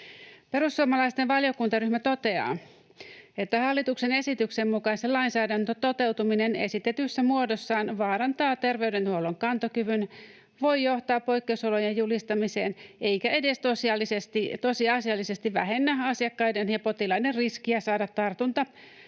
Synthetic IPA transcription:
pe̞ɾusːuomɑlɑist̪enʋɑljo̞kunt̪ɑryhmæt̪o̞t̪e̞ɑ̰ː | e̞t̪ːæhɑlːit̪ukse̞ne̞sit̪yksemːukɑiselɑinsæːdænt̪øt̪o̞t̪e̞wt̪uminene̞̰sit̪et̪ysːæmuodosːɑːnʋɑːɾɑnt̪ɑːt̪e̞rʋe̞yde̞nt̪uolːoŋkɑnt̪okyʋyn | ʋo̞jjo̞ht̪ɑːpːo̞jkːeuso̞lo̞jejjulist̪ɑmise̞̰ːne̞jkæe̞de̞st̪osiɑlːisest̪it̪osiɑsiɑlːise̞st̪iʋæɦe̞nːæɑsiɑkːɑjdenjɑpo̞t̪ilɑiderriskiæsɑːdɑt̪ːɑrt̪unt̪ɑ

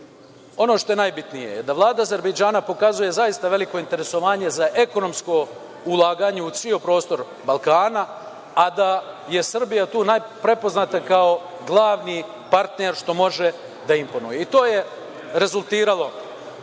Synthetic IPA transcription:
o̞noʃt̪o̞jenajbit̪nijḛjed̪aʋlˠaːd̪aːze̞ɾbed͡ʒaːnapo̞kazuje̞zajist̪aʋe̞liko̞int̪e̞ɾe̞so̞ʋaːɲe̞zaʔe̞ko̞no̞msko̞ | ulˠaːɡaːɲeut̪sʋio̞pɾo̞ːst̪o̞ɾ | balˠkaːnaː | d̪a | je̞sr̩bijat̪uːnajpɾe̞po̞znaːt̪akao̞ | ɡlˠaːʋni | paɾt̪neɾʃt̪o̞mo̞ʒe | d̪aimpo̞nṵjeit̪o̞ːje̞ | ɾe̞zulˠt̪iːɾalˠo̞

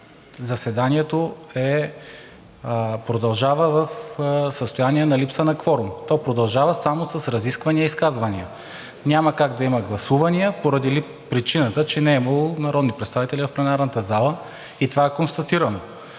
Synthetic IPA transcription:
zɐsɛd̪aniɛt̪oɛ | pɾod̪ɐlˠʒavəvəfsəst̪ojaniɛnɐlipsənɐkvɔɾumt̪ɔpɾod̪ɐlˠʒavəsamosɐsɾɐziskvɐniəiskazvɐniə | nʲaməkaɡd̪ɐimɐɡlˠɐsuvɐniəpoɾɐd̪ili | pɾit͡ʃinət̪ət͡ʃɛnɛimɐlˠonɐɾɔd̪nipɾɛt̪st̪avit̪ɛlʲivɐfplʲɛnaɾnɐt̪əzalˠə | it̪ovaɛkonst̪ɐt̪iɾəno

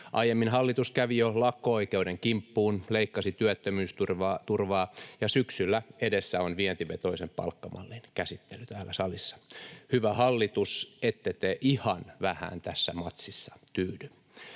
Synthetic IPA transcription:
ʔɑijemːinhɑlːit̪uskæʋijolɑkːooikeudeŋkimpːuːnleikːɑsit̪yæt̪ːømyːst̪urʋɑːt̪urʋɑːjɑsyksylːæedesːæonʋient̪yʋet̪oisempɑ̰lkːɑmɑ̰lːinkæsit̪ːelyt̪æːlːæsɑlisːɑ̥hyʋæhɑlːit̪uset̪ːet̪eʔihɑnʋæhæ̰ːnt̪æsːæmɑt̪sisːɑ̥t̪yːdy

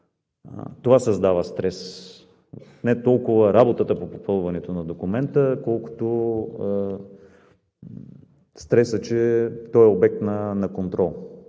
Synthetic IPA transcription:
t̪ovasɐzd̪avəst̪ɾɛs | nɛt̪ɔlˠkʊvəɾabot̪ət̪əpopopɤlˠvɐnɛt̪onɐd̪okʊmɛnt̪əkɔlˠkʊ̥t̪o | st̪ɾɛsət͡ʃɛt̪ɔɛobɛk̚t̪nɐnɐkont̪ɾɔlˠ

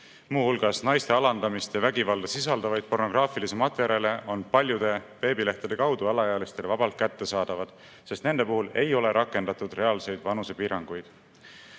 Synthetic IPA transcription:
muːhulɡ̥ɑsnɑjst̪e̞ɑlɑnd̪̥ɑmist̪jɑvæɡ̥ivɑlvesisɑld̪ɑvɑjd̪̥̚po̞rno̞ɡ̥rɑːfilise̞mɑt̪ˑve̞ɾe̞le̞o̞npɑlʲjud̪̥e̞pe̞ːbile̞ht̪ɑd̪e̞kɑwd̪uɑlɑjɑːlist̪e̞lvɑb̥ɑlt̪̚kæt̪ːe̞sɑːd̪̥ɑvɑd̪̥ | se̞st̪ne̞nd̪̥e̞puhule̞jo̞le̞ɾʔɑkːˑe̞nd̪ɑt̪ːˑud̪̥re̞ɑlse̞jd̪̥vɑnuse̞piːɾɑŋɡ̥ujd̪̥

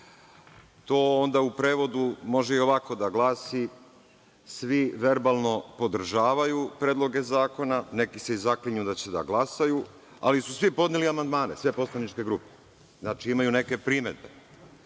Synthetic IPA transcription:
t̪o̞ːond̪aupɾe̞ːʋo̞d̪umo̞ʒeio̞ʋako̞d̪aɡlaːsi | sʋiʋe̞ɾbaːlˠno̞po̞d̪r̩ʒaːʋajupɾeːd̪lˠo̞ɡe̞zaːko̞nane̞kiseizakliɲud̪at͡ɕe̞d̪a̰ɡlˠasaju | a̰lisusʋipo̞d̪neliamand̪maːne̞̰sʋe̞po̞slanit͡ʃke̞ɡɾupe | znaːt͡ʃiimajune̞ke̞pɾiːme̞d̪̚be̞

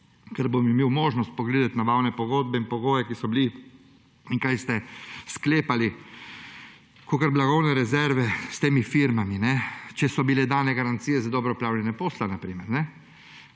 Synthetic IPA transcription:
kɛɾbomimeːwmoːʒnɔst̪̚pɔɡleːd̪at̪naʋawnɛpɔɡoːd̪̚bɛinpɔɡoːjɛkisɔbili | iŋkajst̪ɛskleːpali | kokəɾblaɡɔwnɛɾɛzɛɾʋɛst̪eːmifiɾmaminɛt͡ʃɛsɔbilɛd̪aːnɛɡaɾant̪sijɛzad̪ɔːbɾɛɔpɾaːwlʲɛnɛpoːslanapɾiːmɛɾnɛ

